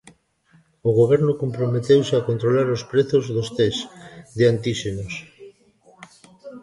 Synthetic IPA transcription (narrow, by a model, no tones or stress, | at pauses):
oɣ̞oβ̞ɛɾnʊkompɾomet̪ewseakont̪ɾolaɾospɾeθozðost̪esðeant̪iʃenos